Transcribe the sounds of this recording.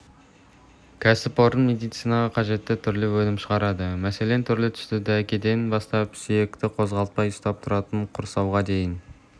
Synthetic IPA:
kʲʰæsɪpoɾənmʲed̪ijt̪sijnɑʁɑqʰɑʒe̞t̪ːɪt̪ʰʏɾlɪwɵnɪmʃəʁɑɾɑd̪əmæse̞le̞nt̪ʰʏɾlɪt̪ʰʏ̥st̪ɪd̪ɪækʲe̞d̪e̞nbɑst̪ɑpsije̞kt̪ɪqʰo̞zʁɑlˠət̪̚pɑjʊst̪ɑp̚t̪ʰʊɾɑt̪əɴqʰʊɾsɑwʁɑd̪e̞jɪn

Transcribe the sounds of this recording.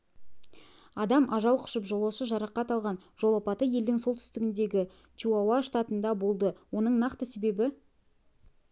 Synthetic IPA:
ɑd̪ɑmʔɑʒɑlˠqʰʊ̥ʃəpʒolˠɑʃəʒɑɾɑqːɑt̪ɑlˠʁɑnʒ̥o̞lˠɑpɑt̪əje̞ld̪ɪŋso̞lˠt̪ʰʏ̥st̪ɪɡʲɪnd̪e̞ɡʲɪ | t͡ʃʰuawaʃt̪aɑt̪ənd̪ɑbo̞lˠd̪əwo̞nəɴnɑqt̪əse̞be̞bɪ

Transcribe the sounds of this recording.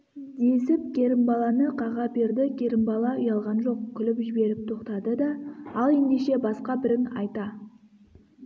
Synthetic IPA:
d̪esɪp̚kʲʰe̞ɾɪmbɑlˠɑnəqʰɑʁɑpeɾd̪ɪkʲʰe̞ɾɪmbɑlˠɑʊjɑlˠʁɑnʒo̞qkʲʰʏlɪpʒɪbe̞ɾɪp̚t̪ʰo̞qt̪ɑd̪əd̪ɑɑlˠe̞nd̪e̞ʃe̞bɑsqɑbɪɾɪŋɑ̰jt̪ɑ

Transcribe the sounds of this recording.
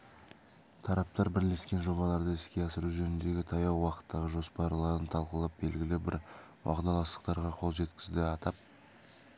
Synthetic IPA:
t̪ʰɑɾɑp̚t̪ɑɾbɪɾle̞skʲe̞nʒo̞βɑlˠɑɾd̪əɪskʲe̞ɑsəɾuʒɵnɪnd̪e̞ɡʲɪt̪ʰɑjɑwwːɑqə̥t̪ʰːɑʁəʒo̞spɑɾlˠɑɾənt̪ʰɑlˠqəlˠɑp̚be̞lɡʲɪlɪbɪɾ | wʔɑ̰ʁd̪ɑlˠɑst̪ə̥qt̪ɑɾʁɑqʰo̞lˠʒe̞t̪kʲɪ̥zd̪ɪɑt̪ɑp̚

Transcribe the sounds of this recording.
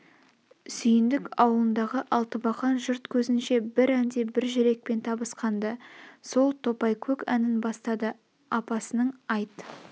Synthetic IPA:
sʏjɪnd̪ɪkɑwəlˠənd̪ɑʁəʔɑlˠt̪əbɑχɑnʒʊɾt̪kʲʰɵzɪnʃe̞bɪɾænd̪e̞bɪɾʒɪɾe̞k̚pe̞nt̪ʰɑbəsqɑnd̪əso̞lˠt̪ʰo̞pɑjkʲʰɵkænɪnbɑst̪ɑd̪ə | ɑpɑsənəɴɑjt̪

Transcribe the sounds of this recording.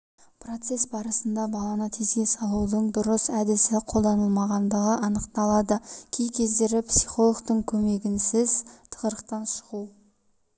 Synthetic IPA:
pro̞t̪se̞sbɑɾəsənd̪ɑbɑlˠɑnət̪ʰizesɑlˠud̪əɴd̪ʊɾəsæd̪ɪsɪqʰolˠd̪ɑnəlˠmɑʁɑnd̪əʁəʔɑnəqt̪ɑlˠɑd̪əkʲʰejkʲʰe̞zd̪eɾɪpsiχo̞lˠoɡt̪əɴkʲʰɵme̞ɡʲɪnsɪzt̪ʰə̥ʁəɾəq̚t̪ɑnʃʊʁuw

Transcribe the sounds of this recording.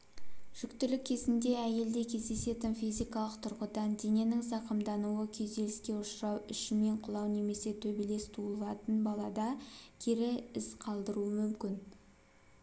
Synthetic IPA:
ʒ̥ʏkt̪ʏlɪkʲʰːe̞zɪnd̪e̞æje̞ld̪e̞kʲʰe̞zd̪e̞se̞t̪ɪnfijzijkɑlˠəqt̪ʰʊɾʁəd̪ɑnd̪e̞ŋʲe̞nɪŋzɑqəmd̪ɑnuwəkʲʰe̞zd̪e̞lɪskʲe̞ʊʃɾɑwʏʃɪme̞ɴqʰʊlˠɑwne̞me̞se̞t̪ʰɵbele̞st̪ʰulˠɑt̪ənbɑlˠɑd̪ɑkʲʰeɾɪɪzqʰɑlˠd̪əɾuəmʏmkʲɪn

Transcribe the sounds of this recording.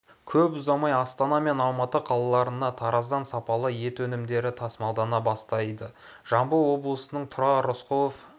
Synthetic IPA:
kʲʰɵpʊzɑmɑjɑst̪ɑnɑme̞nɑlˠmɑt̪əqʰɑlˠɑlˠɑɾənɑt̪ʰɑɾɑzd̪ɑnsɑpɑlˠəje̞t̪wɵnɪmd̪e̞ɾɪt̪ʰɑsmɑlˠd̪ɑnɑbɑst̪ɑjd̪əʒ̥ɑmbəwo̞blˠəsənəɴt̪ʰʊɾɑɾosqoof

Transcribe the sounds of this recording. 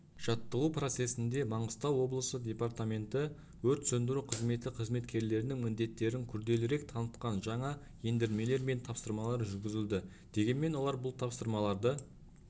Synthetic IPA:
ʒ̥ɑt̪ːəʁupro̞t̪se̞sɪnd̪e̞mɑɴəst̪ɑwːo̞blˠəsəd̪ʲe̞part̪amʲe̞nt̪ɪ | wɵɾt̪sɵnd̪ɪɾuqʰəzme̞t̪ːɪqʰəzme̞t̪kʲe̞ɾle̞ɾɪnɪŋmɪnd̪e̞t̪ːe̞ɾɪŋkʲʰʏɾd̪e̞lɪɾe̞k̚t̪ʰɑnət̪qɑnʒɑɴɑ | je̞nd̪eɾme̞le̞ɾme̞nt̪ʰɑpsəɾmɑlˠɑɾʒʏɾɡʲɪzɪld̪ɪ | d̪̥e̞ɡʲe̞nme̞nwo̞lˠɑɾbʊlˠt̪ʰɑpsəɾmɑlˠɑɾd̪ə

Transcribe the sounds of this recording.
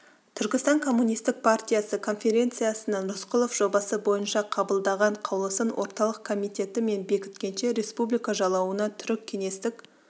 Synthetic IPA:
t̪ʰʏɾkʲɪst̪ɑŋkʰo̞mːunijst̪ɪk̚pʰart̪ʲijasəkʰo̞nfʲe̞ɾʲe̞nt̪sɨjasənəɴɾʊsqʊlˠofʒ̥o̞bɑsəbo̞jənʃɑqʰɑbəlˠd̪ɑʁɑɴqʰɑwlˠəsənwʔo̞ɾt̪ɑlˠəqkʰːo̞mijt̪e̞t̪ɪme̞nbe̞kʲɪ̥t̪kʲe̞nʃe̞ɾe̞spublijkɑʒɑlˠɑwənɑt̪ʰʏɾɪkʲʰːe̞ŋe̞st̪ɪk

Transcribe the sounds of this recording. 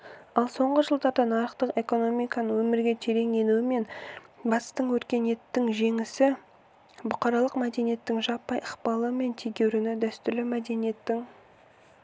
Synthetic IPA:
ɑlˠso̞ɴʁəʒəlˠd̪ɑɾd̪ɑnɑɾəqt̪əqe̞ko̞no̞mijkɑnəwɵmɪɾɡʲe̞t̪ʰe̞ɾe̞ŋje̞nuɪme̞nbɑt̪st̪əɴwɵɾkʲe̞nje̞t̪ːɪŋʒe̞ŋɪsɪ | bʊqɑɾɑlˠəqmæd̪e̞nije̞t̪ːɪŋʒɑpːɑjəqpɑlˠəme̞nt̪ʰeɡʲe̞wɾɪnɪd̪æst̪ʏɾlɪmæd̪e̞nije̞t̪ːɪŋ

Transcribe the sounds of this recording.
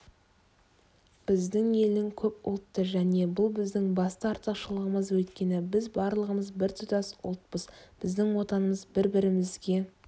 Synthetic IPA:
b̥ɪzd̪ɪŋe̞lɪŋkʲʰɵpʊ̰lˠt̪ːəʒæne̞bʊlˠbɪzd̪ɪŋbɑst̪əɑɾt̪əqʃəlˠəʁəməzwɵt̪kʲe̞nɪbɪzbɑɾlˠəʁəməzbɪɾt̪ʰʊt̪ɑsʊ̰lˠt̪̚pəzb̥ɪzd̪ɪŋwo̞t̪ɑnəməzbɪɾbɪɾɪmɪzɡʲe̞

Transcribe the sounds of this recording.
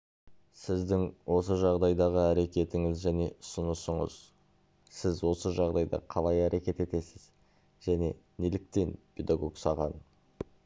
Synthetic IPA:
sɪzd̪ɪŋwʔo̞səʒɑʁd̪ɑjd̪ɑʁəæɾe̞kʲe̞t̪ɪŋɪzʒæne̞ʔʊsənəsəɴə̰z | sɪzwo̞səʒɑʁd̪ɑjd̪ɑ̰qʰɑlˠɑjæɾe̞kʲe̞t̪e̞t̪e̞sɪz̥ | ʒ̥æne̞̰nelɪk̚t̪e̞npʰe̞d̪aɡo̞ksɑʁɑn

